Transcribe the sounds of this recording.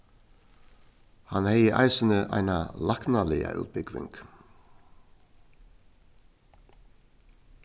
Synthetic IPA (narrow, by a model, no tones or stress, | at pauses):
hanhɛjəʔa̰jsɪnɪʔa̰jnalaknalɪa̰ʔʉ̰ːt̪̚bɪkʋɪ̰ŋk